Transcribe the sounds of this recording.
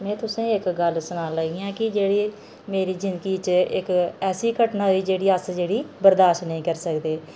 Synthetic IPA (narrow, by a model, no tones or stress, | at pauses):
mɛ̃ːt̪ʊsẽːɪkɡəlsʊnãːlaːɡiãːkɪd͡ʒeːɽiː | meːɾiːzɪ̃nd̪ɡiːt͡ʃɪkɛːsiːkəʈnãːɦiːd͡ʒeːɽiːəsd͡ʒeːɽiːbəɾd̪aːʃʈnəĩːkəɾsəkd̪eː